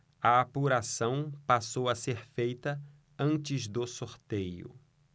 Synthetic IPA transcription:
ɐapuɾasɐ̃w̃pasowɐseɾfejt̪ɐ | ɐ̃nt͡ʃɪzd̪ʊsoɾt̪ejʊ̰

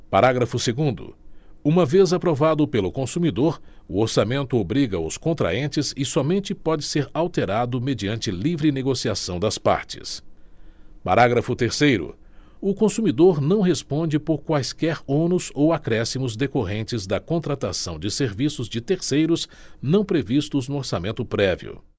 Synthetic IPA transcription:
paɾaɡɾɐfʊseɡũnd̪ʊ̰ũmɐvezapɾovad̪ʊpelʊkõsumid̪oɾʊoɾsamẽnt̪ʊobɾiɡɐʊskõnt̪ɾa̰ẽnt͡ʃɪzɪsɔmẽnt͡ʃɪpɔd͡ʒɪseɾawt̪eɾad̪ʊmed͡ʒiɐ̃nt͡ʃɪlivɾɪneɡosiasɐ̃w̃d̪ɐspa̰ɾt͡ʃɪ̥̰s | pa̰ɾaɡɾɐfʊt̪eɾsejɾʊ̰ | ʊkõsumid̪oɾnɐ̃w̃ɦespõd͡ʒɪpoɾkwajskɛɾõnʊzowakɾɛsimʊzd̪ekoɦẽnt͡ʃɪzd̪ɐkõnt̪ɾat̪asɐ̃w̃d͡ʒɪseɾvisʊzd͡ʒɪt̪eɾsejɾʊz | nɐ̃w̃pɾevist̪ʊznʊoɾsamẽnt̪ʊpɾɛvḭʊ̰

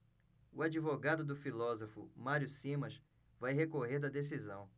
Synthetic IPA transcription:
ʊad͡ʒivoɡad̪ʊd̪ʊfilɔzofʊ̰maɾjʊsĩmɐʃ | vajɦekoɦeɾd̪ɐd̪es̬izɐ̃w̃

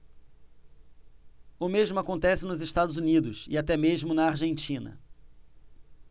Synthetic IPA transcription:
ʊmeʒmʊakõnt̪ɛsɪnʊzɪʃt̪ad̪ʊzunid̪ʊsɪ̰at̪ɛmeʒmʊnɐaɾʒẽnt͡ʃĩnɐ̰

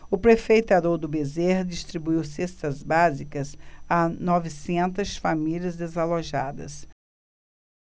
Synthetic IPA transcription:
ʊpɾefejt̪ad̪oɾd̪ʊbezeɾd͡ʒist̪ɾibuiwsest̪ɐzbazikɐsanɔvɪsẽnt̪ɐsfamiliɐzd̪ezaloʒad̪ɐ̰s

